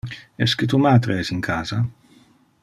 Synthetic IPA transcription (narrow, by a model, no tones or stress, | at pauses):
ɛskət̪umaːd̪ɾeɛsiŋkʰaːza